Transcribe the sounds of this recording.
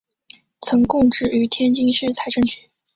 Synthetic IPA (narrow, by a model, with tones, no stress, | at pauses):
t͡sʰɤ˧˥ŋkʊ˥˧ŋʈ͡ʂɻ̩˥˩y˧˥t̪ʰjɛ˥nt͡ɕi˥ŋʂɻ̩˥˩t͡sʰa˧˥ɪʈ͡ʂɤ˥˧ŋt͡ɕy̥˧˦